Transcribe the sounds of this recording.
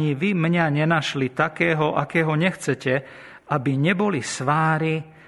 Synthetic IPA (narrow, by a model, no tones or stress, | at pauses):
ɲiʋimɲaɲɛnaʃlit̪akɛːɦɔʔakɛːɦɔɲɛxt͡sɛcɛ | abiɲɛbɔlisʋaːɾi